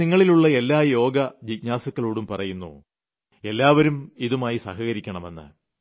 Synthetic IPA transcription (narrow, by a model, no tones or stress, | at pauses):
iŋːɐɭiluɭːɐe̞lːaːjo̞ːɡɐd͡ʑikɲaːsɐkːɐɭoːɽumpɐrɐjunːṵ | e̞lːaːʋɐɾumiðumaːjisɐ̰hɐɣɐɾikʲːɐɳɐme̞nːɨ̰